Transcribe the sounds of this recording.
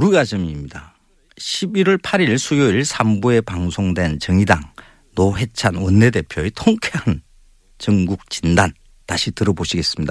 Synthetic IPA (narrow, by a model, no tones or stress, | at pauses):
uɾuɡad͡ʑɯmimɲida | ɕʰibiɾʌɭpʰaɾiɭsʰujoiɭsʰambue̞paŋsʰoŋdwe̞nt͡ɕʌŋidaŋ | noɦe̞t͡ɕʰanwʌnːe̞de̞pʰjoetʰoŋkʰe̞ɦan | t͡ɕʌŋɡuk̚t͡ɕindan | taɕʰitɯɾʌboɕʰiɡe̞s͈ɯ̥mɲida